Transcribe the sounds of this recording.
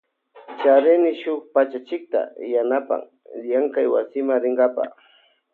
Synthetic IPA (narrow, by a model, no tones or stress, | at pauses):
t͡ʃaɾɪnɪʃʊk̚pat͡ʃat͡ʃɪk̚t̪a̰janapa̰ŋ | jaŋkajwasɪmaŋɾɪŋɡapa̰